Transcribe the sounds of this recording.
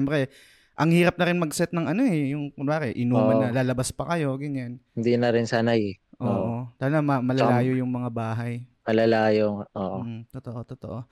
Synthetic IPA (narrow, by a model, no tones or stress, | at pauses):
ɛmpɾɛ | ʔɐŋhiːɾɐp̚nɐɾɪnmɐɡsɛt̪̚nɐŋʔɐno̞ɛjʊŋkʊaːkɛʔɪnuːmɐnːɐlaːlɐbaspɐkɐjo̞ɡɐɲanhɪnd̪inɐɾɪnsanajɛʔoːʔot̪aːlɡamɐmɐlɐalaːjojʊŋmɐŋabaːɦɐjmɐlɐlaːjoʔoːʔʔ̩t̪ot̪oʔo̞t̪ot̪oʔo̞